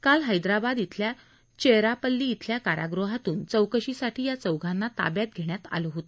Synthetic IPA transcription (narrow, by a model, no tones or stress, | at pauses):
kalɦəjd̪ɾabad̪it̪ʰlja | t͡ɕeɾapəlːiːt̪ʰljakaɾʔa̰ɡɾoɦat̪uːnt͡səwkəɕisaʈʰiːjat͡səwɡʱãnːat̪a̰bjat̪̚ɡʱeɽ̃jat̪a̰lɔɦot̪o